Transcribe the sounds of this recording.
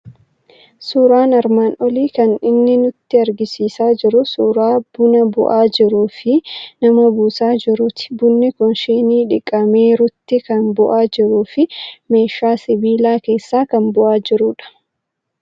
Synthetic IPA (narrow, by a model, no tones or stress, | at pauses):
suːɾaːnɐɾmaːnʔɔliːkɐnɪnːɪnʊt̪ːɪɐɾɡɪsiːsaːd͡ʒɪɾʊsuːɾaːb̥ʊnɐbʊ̰ʔaːd͡ʒɪɾuːfɪnɐmobuːsaːd͡ʒɪɾʊt̪ɪ̥bʊnːɪkɔnʃiːniːᶑɪkʼːɐmeːɾʊt̪ːɪkɐnbʊʔaːd͡ʒɪɾuːfɪme̞ːʃːaːsɪbiːlaːke̞ːsːaːkɐmbʊʔaːd͡ʒɪɾuːᶑɐ̥